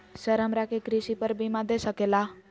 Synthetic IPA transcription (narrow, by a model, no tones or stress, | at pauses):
səɾəmɾakekɾiʃipəɾbʱimãd̪esəkela